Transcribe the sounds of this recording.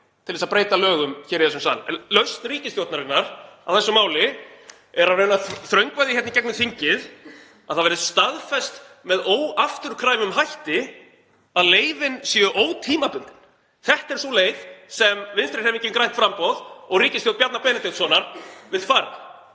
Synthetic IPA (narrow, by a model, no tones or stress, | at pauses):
t̪ʰɪlðɛsapɾeːjt̪alœːɣʏmçɛːɾɪɛsʏmsa̰ðl̰lœɥst̪riːcɪst̪jowt̪naɾɪnːaɾ̥a̰wθɛsːʏmaːwlɪ | ɛɾarejnaθɾœɥŋkvajðɪçɛtnɪcɛknʏθiɲcɪð | aðθavɛɾɪðst̪aðfɛst̪mɛðoːwaft̪ʏɾ̥kʰɾaːjvʏmɦajht̪ɪ | aðleːjvɪnsjɛʏʔoːwt̪ʰiːmapʏnt̪ɪn̥ | θɛht̪ɛɾ̥sɔleːjðsɛmvɪnst̪ɾɪɾhɛvicːɪnkɾajn̥t̪fɾampɔðɔɣriːcɪst̪jowt̪̚pjat̪napɛːnɪt̪ɪwt̪sɔːnaɾvɪðfaːɾa̰